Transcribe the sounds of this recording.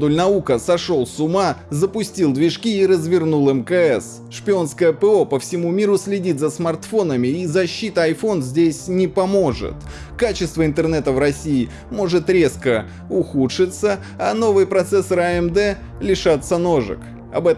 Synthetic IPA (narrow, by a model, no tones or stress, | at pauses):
d̪ulʲnɐukəsɐʂo̞lˠsʊmazəpʊsʲtʲilˠd̪vʲɪʂkʲiːɾəzvʲɪrnulˠɛmkəɛs | ʂpʲɪo̞nskəjəpɛo̞pəfsʲɪmumʲiɾʊsʲlʲɪdʲit̪zəsmɐrt̪fo̞nəmʲɪizɐɕːit̪əɐjfo̞nzʲdʲesʲnʲɪpɐmo̞ʐɨ̰t̪ | kat͡ɕɪst̪vəɪnt̪ərnɛt̪əvrɐsʲiː | mo̞ʐɨt̪ɾʲe̞skə | ʊxutʂɨt̪sə | ano̞vɨjpɾɐt̪sɛsəɾɐɛmd̪ɛ | lʲɪʂat̪səno̞ʐɨ̰k | ɐ̰bɛ